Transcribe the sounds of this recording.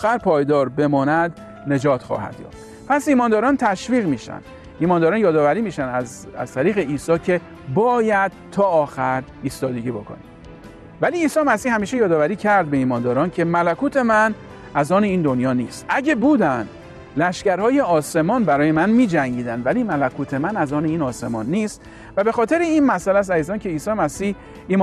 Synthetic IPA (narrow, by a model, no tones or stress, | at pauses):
ɒːxæɾpʰɒːjd̪ɒːɾbe̞mɒːnæd̪ | ne̞d͡ʒɒːt̪ʰxɒ̰ːhæ̰d̪̥jɒ̰ːft̪ | pʰæsiːmɒːnd̪ɒːɾɒːnt̪ʰæʃviːɣmiːʃæ̰nd̪̥ | iːmɒːnd̪ɒːɾɒːnjɒːd̪ɒːvæɾiːmiːʃænd̪æzæ̰zt̪ʰæɾiːɣe̞iːsɒːcʰe̞ | bɒːjæd̪̥̚t̪ʰɒːxæɾ | iːst̪ɒːd̪e̞ɡiːbo̞kʰo̰nḭ | væliːsɒːemæsiːhæmiːʃejɒːd̪ɒːvæɾiːcʰæɾd̪̚be̞iːmɒːnd̪ɒːɾɒːncʰe̞mælækʰuːt̪ʰe̞mæn | æzɒːneiːnd̪o̞njɒːnḭːst̪ʔæɟebuːd̪ænd̪ | læʃcæɾhɒːje̞ɒːse̞mɒːnbæɾɒːjemænmiːd͡ʒæŋɟiːd̪ænd̪væliːmælækʰuːt̪ʰe̞mænæzɒːneiːnɒːse̞mɒːnːiːst̪ | væbe̞xɒːt̪ʰe̞ɾeiːnmæsælæs̬æziːzɒːncʰe̞iːsɒːjemæsiːh | iːm